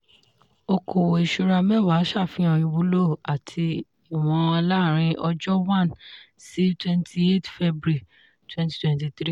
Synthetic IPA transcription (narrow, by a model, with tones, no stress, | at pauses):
o˧kʰo˨wo˨i˨ʃu˧ɾa˧mɛ˦˨wa˨˦ʃa˦˨fĩ˨˦ɔ̃˧j̃ĩ˧wu˨˦lo˦˨a˨tʰi˧ | i˨w̃ɔ̃˧a˧la˦˨ɾ̃ĩ˧ʔɔ˧d͡ʒɔ˦wã˦˨n | si˨˦twɛ̃˦ntʰi˧˦e˦tfɛ˦bɾi˦˨ | twɛ̃˦nti˦twɛ̃˧nti˧tɾi˦